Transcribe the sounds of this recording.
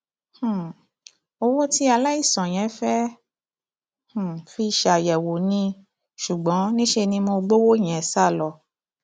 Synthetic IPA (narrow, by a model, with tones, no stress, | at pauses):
h̩˨ | o˧wo˦ti˦a˧la˦i˦˨sɔ̃˨j̃ɛ̃˨˦fɛ˦ | h̩˨fi˦˧ʃa˨jɛ˨wo˨nĩ˧ | ʃu˨ɡ͡bɔ̃˨˦nĩ˦ʃe˧nĩ˧mo˧ɡ͡bo˦wo˦˨j̃ɛ̃˨sa˦˨lɔ˧˨